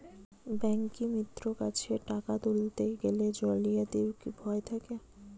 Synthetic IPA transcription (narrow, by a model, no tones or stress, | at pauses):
bɛŋkimit̪ːɾokat͡ɕʰeʈakat̪ult̪eɡeled͡ʑolijad̪iwkibʱɔet̪ʰake